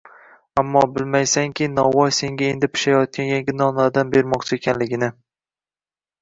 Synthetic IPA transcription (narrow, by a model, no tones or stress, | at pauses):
amːɒbɪlmajsaŋkʲɪnɒwɒjse̞ŋɡʲae̞nd̪ɪpʰɪ̥ʃajɒt̪̚kʲʰanjaŋɡʲɪnɒnad̪anbe̞ɾmɒqt͡ʃʰɪe̞kʲʰanlɪɡʲɪnɪ